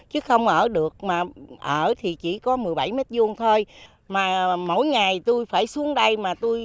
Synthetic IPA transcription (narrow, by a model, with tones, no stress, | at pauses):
t͡ɕɨ˨˦xə˧wŋ͡mʔəː˧˩ɗɨ˨˩ək̚maː˨˩ʔəː˧˩t̪ʰi˨˩t͡ɕi˧˩kɔ˨˦mɨ˨˩əjɓa˧˩jme˦˥t̚zu˧ənt̪ʰo˧j | maː˨˩mo̰˧˩jŋa˨˩jt̪u˧jfaː˧˩jsu˨˦əŋɗə˧jmaː˨˩t̪u˧j